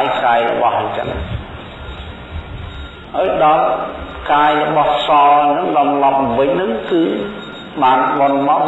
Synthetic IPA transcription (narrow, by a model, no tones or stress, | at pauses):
jkaːjrɔ̰ɓɑhat͡ɕə̰n | haːjɗɑl | kaːjrɔɓɑhsɑːnɨŋɗɑmlɑp̚ʋɨc̚nɨŋkɨː | ɓaːnɓonma